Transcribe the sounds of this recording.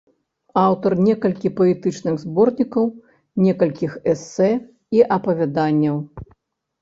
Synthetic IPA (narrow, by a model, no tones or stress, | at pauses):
awt̪ɐrnʲɛkɐlʲkʲipɐɛt̪ɨt͡ʂnɨɣzbɔrnʲikɐw | nʲɛkɐlʲkʲixɛsːɛ | iʔɐpɐvʲad̪anʲːɐw